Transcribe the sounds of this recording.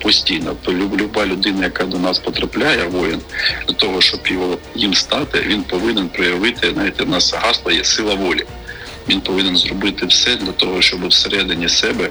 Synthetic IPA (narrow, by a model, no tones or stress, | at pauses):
pɔsʲtʲijnɔlʲʊlʲʊbɑlʲʊd̪ɪnɐjɐkɑd̪ɔnɑspɔt̪ɾɐplʲajɛʋɔjɪnd̪̥ʲlʲɐt̪ɔɦɔʃt͡ʃɔbjɔɦɔjimst̪ɑt̪ɪ̰ʋʲinpɔʋɪnɪnpɾɔjɐʋɪt̪ɪnɑʋʲit̪ːɛnɑsɐɦɑslˠɐjɛsɪlˠɐʋɔlʲi | ʋʲinpɔʋɪnenzrɔbɪt̪ɪwsɛd̪lʲɐt̪ɔɦɔʃt͡ʃɔbɨwseɾɛd̪ɪnʲisɛbɛ